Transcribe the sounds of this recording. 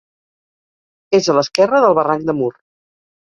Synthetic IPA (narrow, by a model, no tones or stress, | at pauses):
ezələskɛrəðəlˠβəraŋk̚d̪əmur